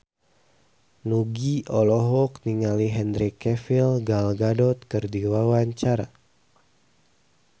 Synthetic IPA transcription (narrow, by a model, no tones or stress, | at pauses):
nuɡiʔɔlɔɦɔkniŋaliɦɛndɾikɛfilɡalɡadɔt̪̚kərdiwawaɲt͡ʃaɾa̰